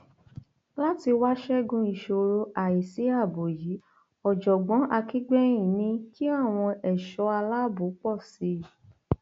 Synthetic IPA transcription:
la˦ti˧wa˦ʃɛ˦ɡũ˧i˨ʃo˧ɾo˧a˨i˨si˨˦a˦˨bo˨ji˨˦ | ɔ˨d͡ʒɔ˨ɡ͡bɔ̃˨˦ʔa˧ki˦ɡ͡bɛ˦j̃ĩ˨nĩ˧ki˦a˦˨w̃ɔ̃˧ɛ˨ʃɔ˨˧˦a˧la˦bu˨˦k͡pɔ˦˨si˧˦˨

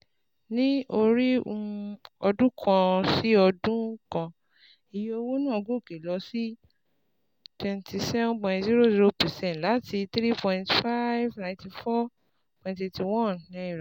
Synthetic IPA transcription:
nĩ˦o˧ɾi˦õ̰˧ɔ˧dũ˦kʰã˧si˦ɔ˧dũ˦kã˧ | i˨jo˧wo˦nãː˦˨ɡũ˦˨ke˨lɔ˨˧si˦ | twɛ̃˧ntʰi˧sɛ˦ṽpɔ̃˧j̃tzi˦ɾo˦˨zi˦ɾo˧pɛ˨sɛ̃˦˨tla˨˦ti˧t̪ɾi˦pɔ̃˧j̃ntfa˦jvnã˧ntĩ˧fɔ˦ | pɔ̃˨j̃nte˧ti˧wɔ̃˦˨nːã˦i˦˨ɾa˨

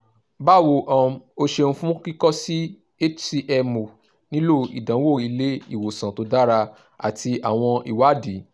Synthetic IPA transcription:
ba˦˨wo˧ʔã˧o˧ʃe˧ñ̩˦fũ˦ki˦kɔ˦si˦ | e˦t͡ʃsi˧ʔɛ˧mo˨ | nĩ˦lo˦ḭ˨dã˨˦wo˦˨i˧le˦i˦˨wo˨sã˨to˨˦da˦ɾa˧ | a̰˨tʰi˧a˨w̃ɔ̃˧i˨wa˨˦di˨˦

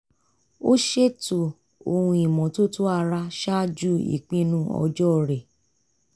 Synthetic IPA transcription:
o˦ʃe˦to˨ | o˧hũ˧i˨mɔ̃˨to˦to˦a˧ɾa˧ʃa˦d͡ʒu˦ḭ˨k͡pĩ˦nũ˦ɔ̰˧d͡ʒɔ˦˨ɾe˨

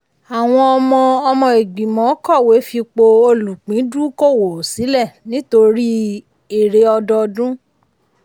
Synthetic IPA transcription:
a˨w̃ɔ̃˧ɔ˧mɔ̃˧ɔ˧mɔ̃˧e˨ɡ͡bi˨mɔ̃˨˦kɔ˦˨we˨˦fi˧k͡po˧o˧lũ˨k͡pĩ˨˦du˦ko˦˨wo˨si˨˦lɛ˦˨nĩ˦to˧ɾi˦ | e˦˨ɾe˧ɔ˧dɔ˧dũ˦

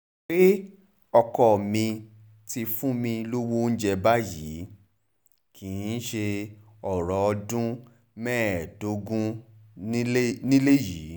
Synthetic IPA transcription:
k͡pe˦ | ɔ˧kɔ˨mĩ˧ | ti˧fũ˦mĩ˧lo˦wo˦n̩˦d͡ʒɛ˧ba˦jiː˨˦ | kĩ˨ĩ˨˧˦ʃe˧ | ɔ˨ɾɔ˨ɔ˧dũ˦ | mɛ̃ː˦˨do˨˦ɡũ˦ | nĩ˦le˦jiː˨˦

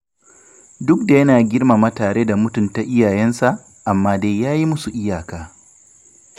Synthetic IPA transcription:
dʊ˦k̚da˨jɐ˦naː˨ɡʲɪ˦rma˨ma˦taː˨ɽeː˦da˨mʊ˦tʊ˨nta˨ʔɪ˦jaː˨jɛ˦nsa˨ʔ | ʔa˨mːaː˦de˦jaː˦ji˦mʊ˦su˨ʔɪ˦jaː˨kaː˦

